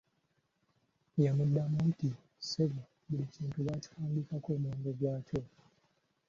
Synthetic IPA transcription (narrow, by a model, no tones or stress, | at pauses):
jamudːamuti | seβi | buliciːntuβaci̥tʰaːmbikakoːmoːndoɡwaːco̞